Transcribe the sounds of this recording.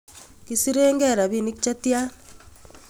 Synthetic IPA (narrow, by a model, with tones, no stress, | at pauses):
ki˨si˦ɾeː˦ŋɡɛ˦˨ɾa˨βi˦˨ni˦kit͡ʃa˦ti˦a˦